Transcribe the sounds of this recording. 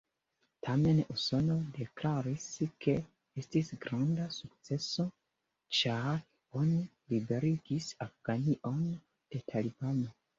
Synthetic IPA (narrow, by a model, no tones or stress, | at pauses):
tʰame̞nuso̞no̞de̞klaɾiskʰe̞ | estisɡɾandasuk̚t͡se̞so̞ | t͡ʃaɾ | oni | libe̞ɾiɡisafɡ̥aniʔo̞n | d̥e̞tʰalibano̞